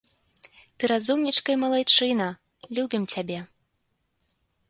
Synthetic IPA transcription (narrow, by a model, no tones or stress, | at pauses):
t̪ɨɾazumnʲit͡ʂkɐjɐmɐlˠajt͡ʂɨnɐ | lʲubʲimt͡sʲabʲɛ